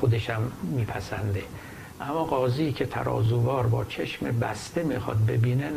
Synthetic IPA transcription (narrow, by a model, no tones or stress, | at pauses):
xod̪eʃæmːiːpʰæsænd̪e̞ | ʔæmːɒːɡɒːziːcʲʰet̪ʰæ̰ɾɒ̰ːzuːvɒːɾbɒːt͡ʃʰeʃmebæst̪emixɒ̰ːd̪̚be̞biːne